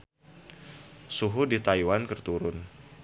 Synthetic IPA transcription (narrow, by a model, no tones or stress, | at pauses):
suɦudit̪aiwankərt̪uɾʊn